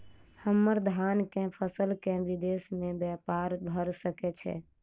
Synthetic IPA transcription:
həmːəɾd̪ʱankẽpʰəsəlkẽbid̪esmẽbjɛpaɾbʱəɾsəkɛt͡ʃʰɛ̰

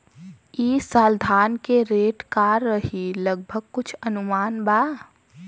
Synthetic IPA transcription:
iːsaːld̪ʱaːnkeɾeːʈkaːɾːəɦiləɡ̚bʱəɡ̚kʊt͡ʃʰɐnʊmaːnbaː

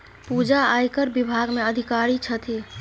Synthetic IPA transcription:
pud͡ʒaajkəɾbibʱaɡmeəd̪ʱikaɾit͡ʃʰət̪ʰi

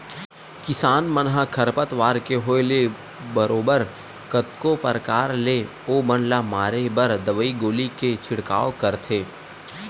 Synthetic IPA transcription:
kɪsaːnmənɦakʰɐɾpət̪ʋaːɾkeɦoːɪle | bəɾoːbəɾ | kət̪kopəɾkaːɾle | oːbənlamaːɾebəɾd̪əʋəiɡoːliket͡ʃʰɪɽka̰ːokəɾt̪ʰeː

